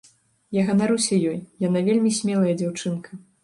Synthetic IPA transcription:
jaɣɐnaɾɨwsʲɐjɔjjanavʲelʲmʲisʲmʲɛlˠɐjɐd͡zʲawt͡ʂɨnkʰɐ

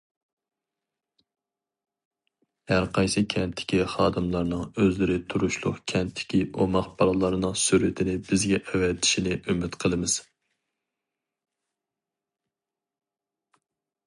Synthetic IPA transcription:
hæɾqʰɑjsɨkʲʰɛnt̪ʰːɪ̥kʲiχɑːd̪ɨmlˠɑɾnɨŋøzlɪɾɪt̪ʰuɾuʃlˠʊ̰qkʲʰɛnt̪ʰːɪ̥kʲiʔomɑχb̥ɑlˠɑlˠɑɾɨnɨŋsyɾɪt̪ʰɪnɪbɪzɡʲɛʔwɛt̪i̥ʃinɪʔymɪt̪qʰəlˠɨmɪz̥

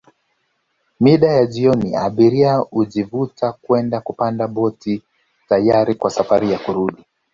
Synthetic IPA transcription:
miɗajaʄiɔniaɓiɾiauʄivutakwɛndakupandaɓɔti | tajaɾikwasafaɾijakuɾuɗi

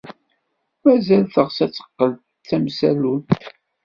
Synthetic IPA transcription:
mæzælθəʁsæt͡sːə̥qːəl | θæmsælunt̪

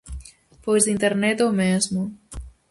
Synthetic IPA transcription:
pojzd̪int̪eɾnɛt̪owmezmu

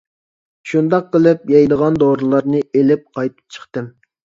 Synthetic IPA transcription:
ʃund̪ɑqːəlˠɨp̚jɑjd̪əʁɑnd̪oɾɨlˠɑɾnɨelɪp̚qʰɑjt̪ʰɨ̥p̚t͡ʃʰə̥χt̪ɨm

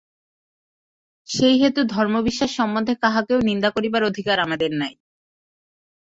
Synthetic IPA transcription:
ʃejɦet̪ud̪ʱɔɾmobiʃːaʃːɔmːond̪ʱːekaɦakeonind̪akoɾibaɾod̪ʱikaɾamad̪eɾnaj

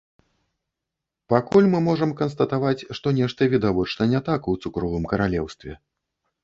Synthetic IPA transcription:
pakulʲmɨmɔʐɐmkɐnst̪ɐt̪avat͡sʲʂt̪ɔnʲɛʂt̪ɐvʲid̪avɔt͡ʂnɐnʲɛt̪akɐwt̪sukɾɔvɨmkɐɾalʲɛwst̪vʲɛ

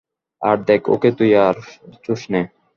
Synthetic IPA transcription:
aɾ̚d̪ɛkʰo̰ket̪ujaɾt͡ʃuʃnɛ

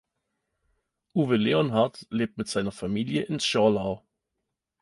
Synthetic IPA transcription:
ʔuːvəleɔnɦaɐtleːp̚tmɪtz̥aɪnɐfamiːljəʔɪnsʃɔlaʊ

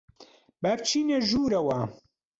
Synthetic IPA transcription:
bɐɾt͡ʃʰiːneʒuːɾɐwɐ

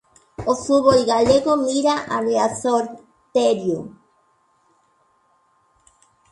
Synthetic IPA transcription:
osuβojɣaleɣomiɾaʔareasoɾ | t̪eɾju

